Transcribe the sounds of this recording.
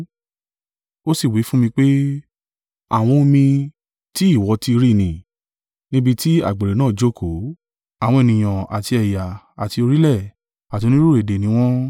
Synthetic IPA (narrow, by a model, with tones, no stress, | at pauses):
o˦si˦˨wi˨˦fũ˦mĩ˧k͡pe˦ | a̰˨w̃ɔ̃˧mĩ˧ | ti˦i˦˨wɔ˨˧˦ti˧ɾi˦˨nĩ˨ | nĩ˦bi˧ti˦a̰˨ɡ͡be˨ɾe˨nãː˦˨d͡ʒo˦kʰo˨˦ | a˦˨w̃ɔ̃˧e˨nĩ˨j̃ã˨a˨ti˧ɛ˨ja˨ | a˨ti˧o˧ɾi˦lɛ˦˨ | a˨to˧nĩ˦ɾu˦˨e˨de˨nĩ˨˦w̃ɔ̃˦